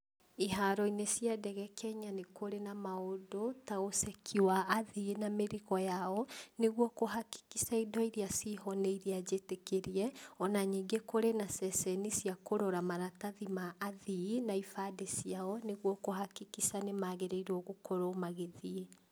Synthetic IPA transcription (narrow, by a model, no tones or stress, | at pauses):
iɦaɾɔinesiadɛɣɛkʰɛɲanekoɾenamaodotaɣosɛkʰiwaːðinameɾiɣɔjaɔneɣwɔkoɦaki̥kisaidɔiɾiasiɦɔneiɾiad͡ʑetekeɾiɛɔnaɲiŋɡekoɾenasɛsɛnisiakoɾoɾamaɾataðimaʔaðinaifadesiaɔneɣwɔkohakikisanemaɣeɾeiɾɔɣokʰɔɾomaɣeðie